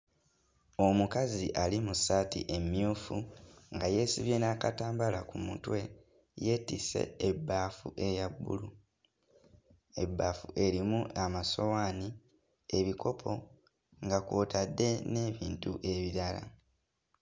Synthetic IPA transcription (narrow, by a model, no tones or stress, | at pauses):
omukaziʔalimusaːtḭʔe̞mjuːfuŋɡaje̞siβje̞nakataːmbalakumṵtwe̞ | je̞ːtise̞̰ebːaːfṵʔe̞jabːṵlu | e̞̰bːaːfuʔe̞ɾimuamaso̞waːni | e̞βikʰo̞pʰo̞ | ŋɡakwoːtʰadːe̞ne̞ːβiːntuʔe̞βiɾala̰